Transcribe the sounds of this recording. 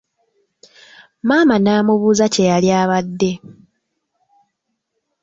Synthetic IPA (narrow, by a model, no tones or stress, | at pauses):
maːmanaːmuβuːzace̞jaljaːβadːe̞